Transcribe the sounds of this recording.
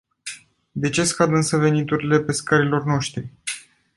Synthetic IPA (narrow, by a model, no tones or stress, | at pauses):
d̪e̞t͡ʃe̞skad̪ɨnsəve̞nit̪uɾile̞pe̞skaɾilo̞rno̞ʃt̪ɾi